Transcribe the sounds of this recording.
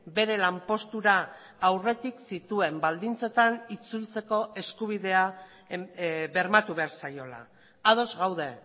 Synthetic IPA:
be̞ɾe̞lampo̞st̪uɾaː | wre̞t̪iksit̪ue̞mbald̪int͡se̞t̪anit͡sult͡se̞ko̞e̞skuβ̞iðe̞a | be̞ɾmat̪uβe̞aɾsajo̞la̰ | að̞o̞zɣawðe̞

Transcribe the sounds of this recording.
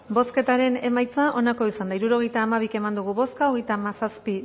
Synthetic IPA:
bo̞ske̞t̪aɾe̞ne̞majt͡saʔo̞nako̞isand̪aiɾuɾo̞ɣ̞e̞jt̪aːmaβ̞ike̞mand̪uɣ̞uβo̞skaoɣejt̪aːmasaspi

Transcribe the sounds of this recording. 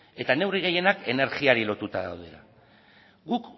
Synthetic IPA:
e̞t̪ane̞wriɣe̞je̞nake̞ne̞ɾɣiaɾilo̞t̪ut̪aða̰wðe̞̰la̰ | ɡuk

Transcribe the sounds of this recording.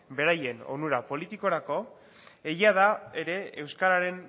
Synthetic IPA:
be̞ɾaje̞nonuɾapo̞lit̪iko̞ɾako̞ | ejiað̞aeɾe̞ewskaɾaɾe̞n

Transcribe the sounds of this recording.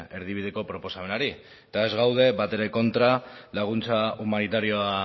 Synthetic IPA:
e̞ɾð̞iβ̞ið̞e̞ko̞pɾo̞po̞same̞naɾi | t̪ae̞zɣawð̞e̞βat̪e̞ɾeko̞nt̪ɾalaɣ̞unt͡saumanit̪aɾio̞a

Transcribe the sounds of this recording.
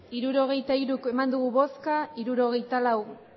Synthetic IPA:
iɾuɾo̞ɣ̞e̞jt̪aiɾuke̞mand̪uɣ̞uβo̞skaiɾuɾo̞ɣe̞jt̪alaw

